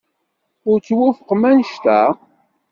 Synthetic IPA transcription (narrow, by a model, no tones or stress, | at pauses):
ʊɾt͡sːwufəqːmænʃt̪æ̰